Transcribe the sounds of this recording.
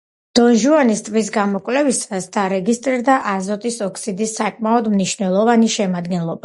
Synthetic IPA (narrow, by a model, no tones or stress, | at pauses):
d̪̥ɔnʒuanist̪ʼvis̬ɡamɔkʼvlɛvisasd̪aɾɛɡist̪ʼɾiɾd̪aʔazɔt̪ʼisɔkʰsid̪isːakʼmaɔd̪mniʃnɛlˠɔvaniʃɛmad̪ɡɛnlˠɔba